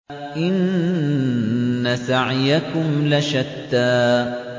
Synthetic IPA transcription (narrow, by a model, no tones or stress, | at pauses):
ʔɪn | asaʕjakʊmlaʃad̪ːaː